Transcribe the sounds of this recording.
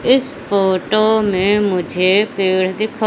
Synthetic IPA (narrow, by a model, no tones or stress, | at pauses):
ɪsfoːʈoːmẽːmʊd͡ʒʱepeːɽ̤d̪ɪkʰo